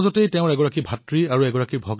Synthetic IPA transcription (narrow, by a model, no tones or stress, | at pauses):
zɔtejtɛʊ̃ɹɛɡɔɹakibʱatɹiaɹuɛɡɔɹakibʱɔɡ